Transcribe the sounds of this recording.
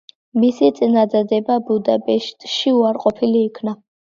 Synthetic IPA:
misit̪sʼinad̪ad̪ɛbabud̪apʼɛʃt̪ʼʃiuaɾqʼɔpʰiliːkʰna

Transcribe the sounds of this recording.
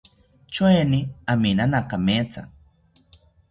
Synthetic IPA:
t͡ʃoeniaminanakamet͡sa̰

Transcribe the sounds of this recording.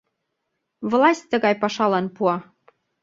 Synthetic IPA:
vlɑsʲtʲt̪ə̆ɣɑjpɑʃɑlɑnpuɑ

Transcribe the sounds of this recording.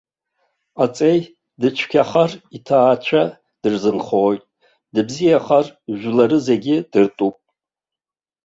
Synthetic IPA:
at͡sʼej | dɨt͡ʃʷʰkʲʰaχaritʰaːt͡ʃʷʰa | d̥ɨrzɨnχoːjtʼ | dɨbzijaχarʒʷlaɾɨzeɡʲɪd̥ɨrtʼupʼ

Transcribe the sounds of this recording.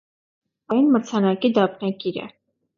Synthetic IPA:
ɑjunmət͡sʰɑnɑkid̪ɑpʰnɑkiɾə̰

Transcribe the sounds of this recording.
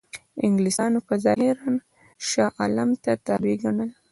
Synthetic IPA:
ɪŋɡlisɑnopəzɑhɪɾɑn | ʃɑʔɑlamt̪at̪ɑɾiɡaɳəl

